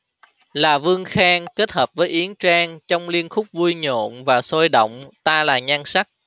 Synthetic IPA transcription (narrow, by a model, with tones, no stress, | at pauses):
laː˨˩vɨ˧əŋxaː˧ŋke˦˥t̚həː˨˩p̚vəː˨˦jʔi˨˦əŋt͡ɕaː˧ŋt͡ɕɔ˧wŋ͡mli˧ənxʊ˦˥k͡p̚vu˧jɲo̰˧˨nvaː˨˩soː˧jɗə̰˧˨wŋ͡mt̪aː˧laː˨˩ɲa˧ŋsa˦˥k̚